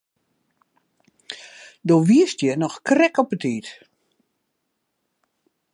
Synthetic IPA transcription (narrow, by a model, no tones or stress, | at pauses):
doːʋiəstjənɔxkrɛkɔpətiːt